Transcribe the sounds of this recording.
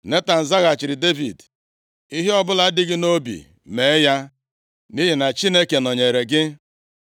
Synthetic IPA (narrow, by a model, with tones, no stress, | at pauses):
ne˦ta˨n̩˨za˦ɣa˨t͡ʃɪ˨ɾɪ˨de˦vi˨d | i˦ɦe˦ɔ˦bʊ˦la˨˦dɪ˦ɡɪ˦no˦bḭ˨ | me˨˦ja˦ | ni˦ɦi˨na˨t͡ʃi˦ne˦ke˨nɔ˨ɲe˨ɾe˨ɡɪ˦